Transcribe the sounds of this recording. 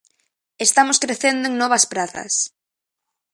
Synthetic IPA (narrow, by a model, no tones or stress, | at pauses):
est̪amoskɾeθend̪oeŋnɔβɐspɾaθɐ̰s